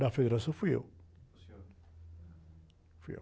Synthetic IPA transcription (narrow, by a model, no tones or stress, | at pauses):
dafed̪eɾasɐ̃fujḛw | fuja̰